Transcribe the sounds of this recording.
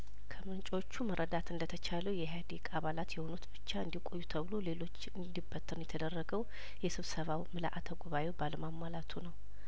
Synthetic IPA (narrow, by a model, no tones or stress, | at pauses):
kʰəmɨnt͡ʃʼot͡ʃːuməɾʔəd̪at̪ɨnd̪ət̪ʰət͡ʃʰaləwjɛɦad̪ikʼaβalat̪jɛho̞nut̪bɨt͡ʃːaɨnd̪ikʼo̞jːut̪ʰəβɨlo̞le̞lo̞t͡ʃːɨnd̪ibət̪ʰʼːɨnjɛt̪ʰəd̪ərːəɡəw | jɛsɨβsəβawmɨla̰ʔat̪ʰəɡuβajewbaləmamːalat̪ʰunəw